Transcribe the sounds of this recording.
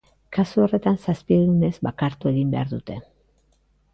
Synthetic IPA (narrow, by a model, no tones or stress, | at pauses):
kasuo̞re̞t̪ansaspieðune̞zβakaɾt̪ue̞ɣimbe̞aɾðut̪e̞